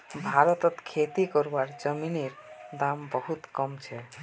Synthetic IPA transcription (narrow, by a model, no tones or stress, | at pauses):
bʱaɾɔt̪ɔt̪kʰet̪ikɔɾbaɾd͡ʒəmineɾd̪ambɔɦut̪kɔmt͡ʃʰɛ